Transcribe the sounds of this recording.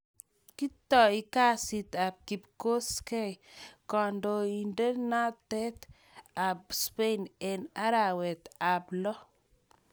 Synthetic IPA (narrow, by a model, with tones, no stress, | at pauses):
ki˦t̪ɔ˨i˦ka˦si˨t̪a˨b̚ki˨pko˦skɛ˦jkɔ˨ndo˨i˨nde˦na˦t̪ɛ˦t̪ | a˨b̚spe˦nɛ˨na˦ɾa˨wɛ˨t̪a˨blɔ˦